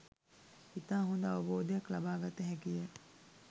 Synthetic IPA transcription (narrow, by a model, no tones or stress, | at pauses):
it̪aːɦund̪əaʋəboːd̪ejaklabaːɡat̪eɦɛkije